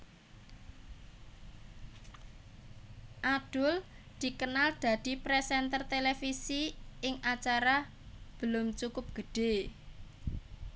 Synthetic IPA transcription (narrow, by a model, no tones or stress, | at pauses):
ʔad̪̥ʊl | d̪̥i̤kənald̪̥ä̤d̪̥i̤pɾɛsɛnt̪ərt̪elefisiɪŋat͡ʃaɾa | b̥əlʊmt͡ʃukʊp̚ɡ̥ə̤ɖ̥e